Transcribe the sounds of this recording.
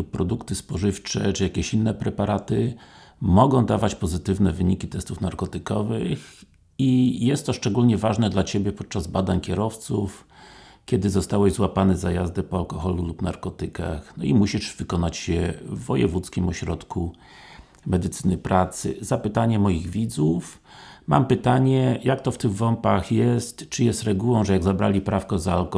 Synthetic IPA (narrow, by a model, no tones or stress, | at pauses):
uppːɾɔd̪ukt̪ɘspɔʐɘft͡ʂɛ̰t͡ʂɘjakʲeɕinːɛpɾɛpaɾʔat̪ɘ | mɔɡɔ̃w̃d̪avat͡ɕpɔzɘt̪ɘvnɛvɘɲikʲit̪ɛst̪ufnaɾkɔt̪ɘkɔvɘx | ijɛst̪ːɔʂt͡ʂɛɡulɲɛvaʐnɛd̪lat͡ɕebʲjɛpɔt̪̚t͡ʂazbad̪aɲkʲɛɾɔft̪sufkʲɛd̪ɘzɔst̪awɛʑzwapanɘzajazd̪ɛpɔalkɔxɔlulupna̰ɾkɔt̪ɘka̰xnɔimuɕiʂvɘkɔnat͡ɕɕɛvːɔjɛ̰vut̪skʲimɔɕɾɔt̪kʰu | mɛd̪ɘt̪sɘnɘpɾʔat̪sɘ̰zapɘt̪aɲɛmɔjiɣvʲid̪zuf | ma̰mpɘt̪aɲɛjakt̪ɔft̪ɘɣvɔmpaxjɛst̪t͡ʂɘjɛst̪ɾɛɡuwɔ̃w̃ʐɛjaɡzabɾa̰lʲipɾafkɔzaːlɔ